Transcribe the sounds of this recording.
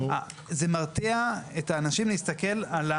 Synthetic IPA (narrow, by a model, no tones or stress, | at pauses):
a | zemaʁt̪iaetaːnaʃimleist̪ake̞lala